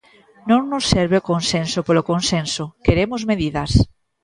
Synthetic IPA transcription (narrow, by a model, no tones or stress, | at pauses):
nõŋnosːeɾβeokonsẽnsopolokonsẽnsokeɾemozmeðiðas